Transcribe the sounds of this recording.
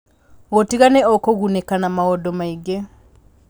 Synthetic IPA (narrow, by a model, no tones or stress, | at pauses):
ɣotiɣanɛɔkoɣunekanamaɣɔdɔmaiɡe